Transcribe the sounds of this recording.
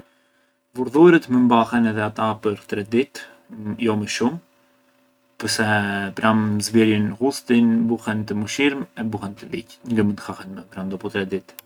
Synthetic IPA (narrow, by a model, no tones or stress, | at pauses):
vuɾðujɾət̪məmbahɛnɛðɛat̪apəɾt̪ɾɛd̪it̪ | jɔməʃum | pəɾsɛpɾamzviɾjənhust̪inbuhɛnt̪əmuʃiɾmɛbuhɛnt̪əvḭcŋɡəmənt̪xahɛnmɛpɾand̪ɔpɔt̪ɾɛd̪it̪